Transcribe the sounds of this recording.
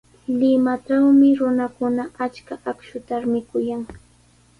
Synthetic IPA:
lɪmaʈ͡ʂawmɪɾʊnakʊnaat͡ʃkaakʃʊt̪aɾmɪkʊjaŋ

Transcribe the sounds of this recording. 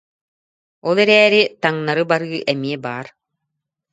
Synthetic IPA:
ɔlˠɛɾɛːɾit̪aŋnaɾɯbaɾɯːʔɛmiɛbaːɾ

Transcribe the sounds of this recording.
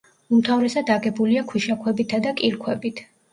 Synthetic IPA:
umt̪ʰavɾɛsad̪aɡɛbuliakʰiʃakʰwɛbit̪ʰad̪akʼilkʰwɛbit̪ʰ

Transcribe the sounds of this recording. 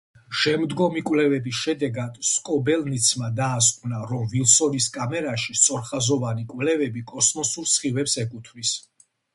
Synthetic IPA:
ʃɛmd̪ɡɔmikʼwlɛvɛbisʃɛd̪ɛɡad̪̥skʼɔbɛlnit̪sʰmad̪aːskʼwnaɾɔmvilˠsɔniskʼamɛɾaʃist̪sʼɔɾχazɔvanikʼvlɛvɛbikʼɔsmɔsuɾsχivɛpsɛkʼut̪ʰvis

